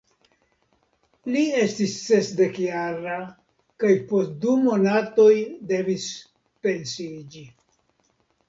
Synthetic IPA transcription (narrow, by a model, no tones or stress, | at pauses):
lie̞stisːe̞sde̞kjaɾa | kajpo̞st̚dumo̞nato̞jde̞vis | pe̞nsid͡ʒi